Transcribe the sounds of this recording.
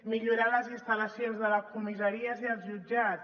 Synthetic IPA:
miʎuɾaləzinst̪ələsionzðələkumizəɾiəziəlˠzʒud͡ʒa

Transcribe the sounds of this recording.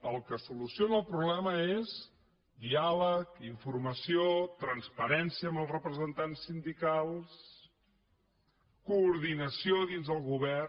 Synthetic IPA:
əlˠkəsulusionəlˠpɾuβlɛməez | d̪ialəkiɱfurməsiot̪ɾənspəɾɛnsiəːmbəlˠzrəpɾəzənt̪ansːind̪ikalˠs | kuːɾðinəsioðinzðəlˠɣuβɛr

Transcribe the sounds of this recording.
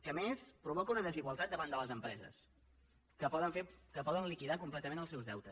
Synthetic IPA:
kəmespɾuβɔkəunəðəziɣwəlˠt̪at̪̚d̪əβand̪ələzəmpɾɛzə̰s | kəpɔðənfekəpɔðənlikiðakumplɛt̪əmẽnəlˠsɛwzðɛwt̪əs

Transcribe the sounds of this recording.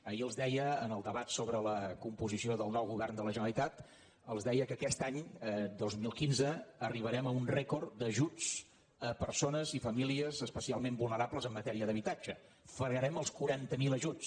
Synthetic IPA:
əiəlˠzd̪ɛjəːnəlˠd̪əβat̪soβɾələkumpuzisioðəlˠnɔwɣuβɛrnd̪ələʒənəlˠit̪at̪ | əlˠzðɛjəkəkɛst̪aɲd̪ozmilˠkinzəːriβ̞əɾɛməunrɛkord̪əʒut͡s | əpəɾsonəzifəmiliəzəspəsialˠmembulˠnəɾabləzəmːət̪ɛɾiəðəβit̪ad͡ʒə | fəɾɣəɾɛməlˠskuɾant̪əmiləʒut͡s

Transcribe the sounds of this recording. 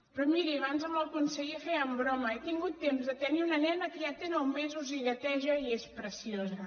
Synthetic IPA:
pɾɔmiɾiβanzəməlˠkunsəɣiəfeəmbɾɔməɛt̪iŋɡut̪ːemzðət̪əniunənɛnəkjat̪enowmezuziɣət̪ɛʒəiespɾəsiozə

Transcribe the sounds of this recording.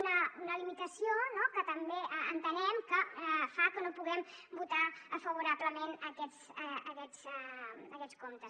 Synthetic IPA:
nəunəlimit̪əsionokət̪əmbeʔəənt̪ənɛmkəfakənopuɣɛmbut̪aəfəβuɾapləmenəkɛt͡səəkɛzɛəkɛt͡skomt̪əs

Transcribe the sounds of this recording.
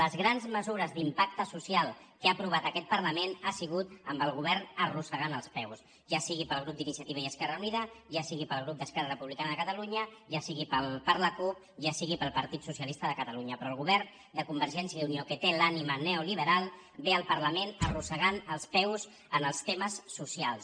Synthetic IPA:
ləzɣɾanzməzuɾəzd̪impak̚t̪əsusialˠkəapɾuβ̞at̪əkɛt̪̚pərləmenasiɣut̪əmbəlˠɣuβ̞ɛrnərusəɣanəlˠspɛws | ʒasiɣipəlˠɣɾup̚d̪inisiət̪iβəiəskɛrəuniðəʒasiɣipəlˠɣɾup̚d̪əskɛrərəpuβlikanəðəkət̪əluɲəʒasiɣipəlˠpəɾləkup̚ | ʒasiɣipəlˠpəɾt̪it̪susiəlist̪əðəkət̪əluɲəpɾɔːlˠɣ̞uβɛɾn | d̪əkumbəɾʒɛnsjəðuniokət̪elaniməneuliβ̞əɾalˠ | beəlˠpəɾləmenərusəɣanəlˠspɛwz | ənəlˠst̪eməsːusialˠs

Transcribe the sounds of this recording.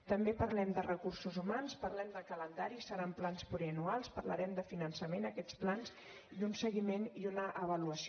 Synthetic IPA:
t̪əmbepəɾlɛmd̪ərəkursuzumanspəɾlɛmd̪əkələnd̪aɾisəɾamplanspuɾiənualˠspəɾlə̰ɾɛmd̪əfinənsəmenəkɛt͡splans | iðunsəɣimeniunəʔəβ̞əluəsi

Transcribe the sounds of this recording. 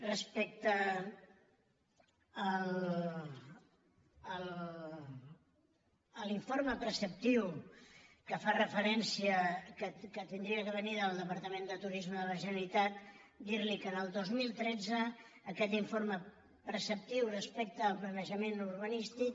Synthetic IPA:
rəspɛk̚t̪ə | l | əl | əliɱfoɾməpɾəsəp̚t̪iw | kəfarəfəɾɛnsiəkəkət̪ind̪ɾiəkəβəniðəlˠd̪əpəɾt̪əmend̪ət̪uɾizməðələʒənəlit̪at̪ | d̪iɾlikənəlˠd̪ozmilˠt̪ɾɛd͡zəː | kɛʎiɱfoɾmə | pɾəsəp̚t̪iwrəspɛk̚t̪əːlˠpɾənəʒəmenurβənist̪ik

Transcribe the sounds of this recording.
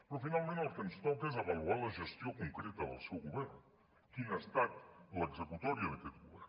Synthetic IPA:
pɾɔfinalˠmẽnt̪loɾkɛnst̪ɔwkezɐβɐluaɾlɐʒəst̪jokuŋkɾɛt̪ɐðə̰lˠsɛwɣuβɛɾn | kinəst̪at̪ləɡzəkut̪ɔɾiəðəkɛt̪ɣuβɛ̰ɾn

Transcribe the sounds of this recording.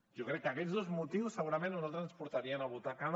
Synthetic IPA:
ʒɔkɾɛkːəkɛzðozmut̪iwsːəɣuɾamẽnoalˠt̪ɾənspuɾt̪aɾiənaβut̪akan

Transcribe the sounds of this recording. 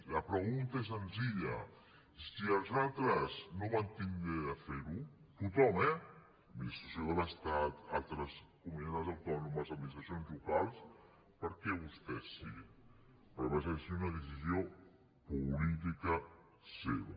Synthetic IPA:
ləpɾəɣunt̪ɐɛs̬ənziʎə̰ | siəlˠzalˠt̪ɾəznoβant̪ind̪ɾeafeɾu | t̪ut̪ɔmɛ | misusiðaləst̪at̪a̰lˠt̪ɾəskuminenazawt̪ɔnumɐzɐd̪minist̪ɾasionzlukalˠs | pəɾkɛβust̪ɛsːḭɣi | pɾɔβaʒasiunɐðəs̬izjo | pulit̪̬ikə | sḛβa̰

